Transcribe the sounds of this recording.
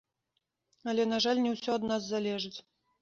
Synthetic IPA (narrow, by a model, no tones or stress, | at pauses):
ɐlʲɛnaʐalʲnʲɛwsʲɔɐd̪nazːalʲɛʐɨt͡sʲ